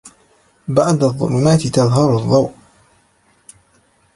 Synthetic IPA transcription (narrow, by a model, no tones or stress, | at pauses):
baʕd̪aðˤːʊ̰lumaːt̪ɪt̪ɑðˤɦɑɾˤʊðˤːɑwʔ